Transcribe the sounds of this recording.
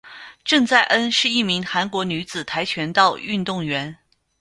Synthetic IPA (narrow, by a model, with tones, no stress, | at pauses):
ʈ͡ʂɤ˥˧ŋt͡sa˥˩ɪʔə˥nʂɻ̩˥˧i˥˩mi˧˥ŋxa˧˥nkwɔ˧˥ny˧˥t͡sɹ̩˨˩t̪ʰa˧˥ɪt͡ɕʰɥɛ˧˥nt̪ɑ˥˧ʊy˥˧nt̪ʊ˥˩ŋɥɛ˧˥n